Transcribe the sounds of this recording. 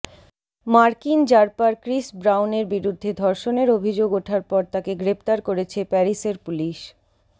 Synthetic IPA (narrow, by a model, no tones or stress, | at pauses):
maɾkind͡ʑaɾpaɾkɾisbɾawneɾbiɾud̪ʱːed̪ʱɔɾʃoneɾobʱid͡ʑoɡoʈʰaɾpɔɾt̪akeɡɾep̚t̪aɾkoɾet͡ɕʰepɛɾiseɾpuliʃ